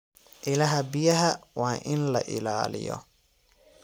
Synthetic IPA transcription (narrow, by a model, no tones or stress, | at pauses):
ʔɪlɐɦɐbɪjɐɦɐwaːʔɪnlɐʔɪlaːlɪ̰jɔ̰